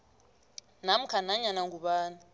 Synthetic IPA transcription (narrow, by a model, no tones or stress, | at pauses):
nam̩kʰanaɲanaŋɡuɓaːna